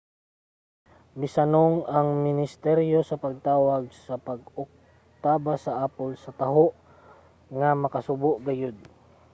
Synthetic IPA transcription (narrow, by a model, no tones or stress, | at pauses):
mɪsɐnoŋɐŋmɪnɪst̪ɛɾjosɐpɐɡ̚t̪aːwɐɡ̚sɐpɐɡʊk̚ | t̪aːbasɐʔaːpʊlsɐt̪ɐɦoʔ | ŋɐmɐkɐsʊboʔɡɐjʊd̪̚